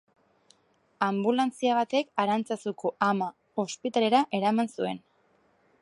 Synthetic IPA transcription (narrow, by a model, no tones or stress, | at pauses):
ambulant͡siaβ̞at̪e̞kaɾant͡sasuko̞ʔama | o̞spit̪ale̞ɾaʔe̞ɾamansue̞̰n